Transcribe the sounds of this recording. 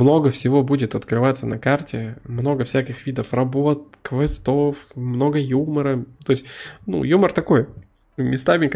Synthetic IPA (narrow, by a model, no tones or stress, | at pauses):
mno̞ɡəfsʲɪvo̞budʲɪt̪ɐt̪kɾɨvat̪sənɐkartʲɪmno̞ɡəfsʲækʲɪxvʲid̪əfrɐbot̪̚kvɛst̪o̞fmno̞ɡəjuməɾət̪oɪsʲtʲnṵjumərt̪ɐko̞j | mʲɪst̪avʲɪk